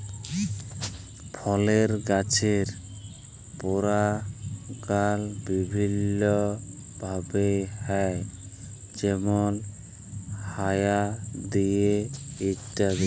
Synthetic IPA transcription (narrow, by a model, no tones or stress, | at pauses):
pʰɔleɾɡat͡ɕʰeɾ | poɾa | ɡalbibʱinːɔ | bʱabehɛj | d͡ʑemol | hajad̪ijeiʈːad̪e